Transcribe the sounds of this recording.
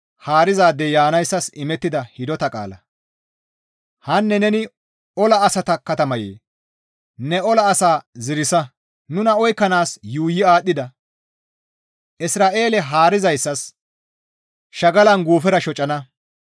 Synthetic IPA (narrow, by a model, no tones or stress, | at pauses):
haːɾɪzaːd̪ːɛjaːnɐjsːɐsɪmɛt̪ːɪd̪ɐhɪd̪ɔt̪ɐkʼa̰ːlɐ | hɐnːɛnɛnɪ | ɔlɐːsɐt̪ɐkɐt̪ɐmɐjḛː | nɛɔlɐːsaːzɪɾɪsɐ | nʊnɐɔjkːɐnaːsjuːjɪaːɗːɪd̪ɐ | ʔɪsɾaːʔe̞ːlɛɦaːɾɪzɐjsːɐs | ʃɐɡɐlɐnɡuːfɛɾɐʃɔt͡ʃʼːɐnɐ